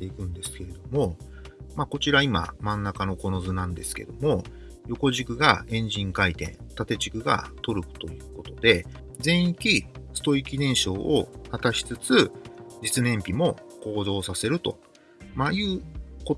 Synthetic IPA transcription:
t̪e̞ikɯ̟̃nd̪e̞sɨ̥ke̞ɾe̞d̪o̞mo̞ | mako̞t͡ɕiɾaima̰mãnːakano̞ko̞no̞zɨnãnd̪e̞sɨ̥ke̞̰d̪o̞mo̞ | jo̞ko̞ʑikɯ̟ɡaẽ̞ɲ̟d͡ʑĩŋkait̪ẽ̞̰nt̪at̪e̞t͡ɕikɯ̟ɡa̰t̪o̞ɾɯ̟kɯ̟̥t̪o̞jɯ̟ːko̞t̪od̪e̞ | zẽ̞ɰ̃ikʲisɨ̥t̪oikʲinẽ̞ɰ̃ɕo̞ːʔohat̪aɕi̥t͡sɨt͡sɨd͡ʑit͡sɨnẽ̞mpʲimo̞ko̞ːd̪o̞ːsase̞ɾɯ̟t̪o̞̰ | majɯ̟ːko

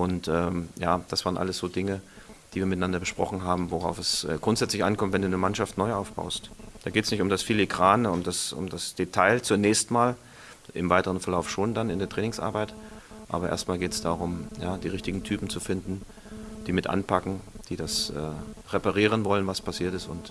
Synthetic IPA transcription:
ʔʊntʔɛːmjaːd̥asv̥aːʁənʔa̰ləsz̥oːdɪŋə | d̥iːviːɐmɪtaɪnandɐbəʃpʁ̥ɔ̰χn̩ɦaːbm̩voʁaʊfɛsʔɛ̰ːɡ̥ʁʊntz̥ɛt͡slɪçʔa̰nkʰɔmtv̥ɛnduːnəmanʃaftnɔʏʔaʊfb̥a̰ʊstd̥aːɡeːtəsnɪçtʊmdasfilikʁ̥aːnʊmdasʊ̰mdasd̥etʰaɪlt͡sʊnɛːçstmaːl | ʔɪmvaɪtəʁ̞ənfɛɐlaʊfʃoːndanɪndeːɐtʁɛːnɪŋsʔa̰ɐbaɪtʔa̰ːbɐʔḛːɐstmaːlɡeːtsd̥aːʁʊmjaːd̥iːʁɪçtɪɡŋ̩tʰyːpm̩t͡sufɪndn̩ | d̥iːmɪtʔa̰npʰakŋ̩d̥iːdasʔɛ̰ːʁepaʁiːʁ̞ənvɔlənvaspʰasiːɐtɪstʊ̰nt

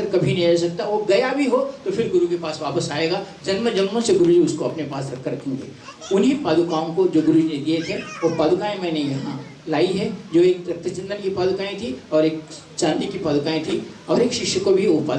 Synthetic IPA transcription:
ɐɾkɐbʱinɐɦĩɐs̬ɐk̚t̪aʋoɡɐjabʱiɦot̪opʰɪɾɡʊɾukepaːsʋaːpəsaːeːɡaːd͡ʒɐnməd͡ʒɐnmõseɡʊɾud͡ʒiʊskoɐpnepaːsɾɐkʰːəɾɐkʰẽːŋɡḛː | ʊnɦipaːd̪ukaːõkod͡ʒoːɡʊɾud͡ʒinẽd̪iet̪ʰeʋopaːd̪kaːẽmɛ̃ːnẽjɐɦã | laːiɦɛ̃d͡ʒoːeːkɾɐt̪ʰːət͡ʃɐ̃nd̪ənkipaːd̪ʊkaːẽt̪ʰiɔːɾeːk̚ | t͡ʃãːnd̪ikipaːd̪kaːẽt̪ʰiɔːɾeːkʃɪʃjəkobʱiopaːd̪

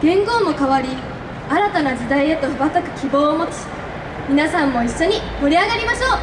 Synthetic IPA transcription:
ɡ̥ẽ̞ŋɡo̞ːmo̞kaβaɾʲi | aɾat̪anad͡ʑid̪aiet̪ohɯ̟bat̪akɯ̟̥kʲibo̞ːmo̞t͡ɕi̥ | mʲinasãmːo̞iɕːo̞ɲ̟imo̞ɾʲiaɡaɾʲimaɕo̞ː

